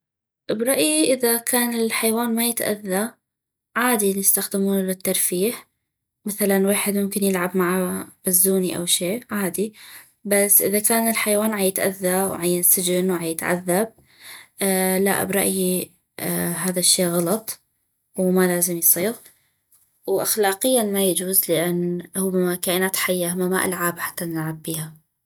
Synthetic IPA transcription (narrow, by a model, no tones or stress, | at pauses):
bɾˤɑʔjiʔɪðakʰaːnɪlħajwaːnmajɪt̪ʔa̰ðːa | ʕaːd̪injɪst̪axd̪ɪmuːnlɪt̪ːɑɾˤfiːħ | maθalanwaːħɪd̪mʊmkɪnjɪlʕabmaʕab̥azːuːniʔa̰wʃeːʕaːd̪i | basːʔɪ̰ðakaːnɪlħajwaːnʕajɪt̪ʔa̰ðːaw̰ʕajansɪd͡ʒɪnwʕajɪt̪ʕa̰ðːab̚ | la̰ʔa̰bɾˤɑ̰ʔji | ɦaːðaʃːeːɣɑlɑt̪ˤ | wmalaːzɪmjsˤiːɣ | wʔaxlaːqɪjːanmajad͡ʒuːzlɪʔanːhʊbamakaːʔɪnaːt̪ħajːahamːamaʔa̰lʕaːbħḁt̪ːanɪlʕabːiːha